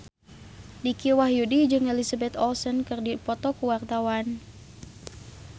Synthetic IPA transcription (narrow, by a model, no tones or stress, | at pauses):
dikiwaɦjudid͡ʒɨŋɛlisabɛt̪ɔlsɔnkɨrdipɔt̪ɔkuwart̪awan